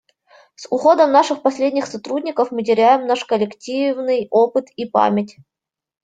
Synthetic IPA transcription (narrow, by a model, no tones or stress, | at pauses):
sʊxod̪əmnaʂɨxpɐsʲlʲedʲnʲɪxsɐt̪ɾudʲnʲɪkəfmɨt̬ʲɪɾʲæjɪmnaʂkəlʲɪktʲivnɨjopɨt̪ipa̰mʲɪtʲ